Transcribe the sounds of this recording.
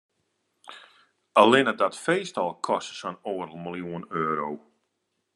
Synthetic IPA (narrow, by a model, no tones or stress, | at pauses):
əlˠɪnədɔtfejstɔlˠkʰɔsə̥sɔnoːrlˠməlˠjuənøːɾow